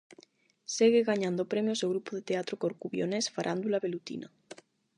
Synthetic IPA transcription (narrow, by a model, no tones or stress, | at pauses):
seɣeɣaɲãnd̪opɾemjozeɣɾupoð̞et̪eat̪ɾokoɾkuβjonesfaɾʔand̪ulaβelut̪ḭna